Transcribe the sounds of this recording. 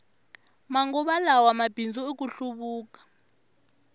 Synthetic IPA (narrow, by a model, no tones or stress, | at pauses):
maŋɡɔɓalawamab̥ʱind͡zʱuek̬ʼuɬuɓuːkḁ